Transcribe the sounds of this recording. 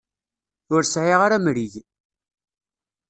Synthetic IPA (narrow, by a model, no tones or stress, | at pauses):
ʊɾsʕiʁaɾamɾiʝ